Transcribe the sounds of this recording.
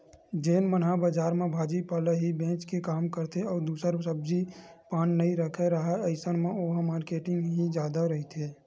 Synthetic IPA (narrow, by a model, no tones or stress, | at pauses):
d͡ʒeːnmənɦabəd͡ʒaːɾmẽbʱaːd͡ʒipələɦibẽːt͡ʃkekaːmkəɾt̪eɔːɾd̪uːsəɾsəb̚d͡ʒipaːnːəɦĩɾəkʰeɾəɦɛəɪsənmẽoːɦəmaːɾkeːʈɪ̃ŋɡɦid͡ʒjaːd̪aɾəɦit̪eː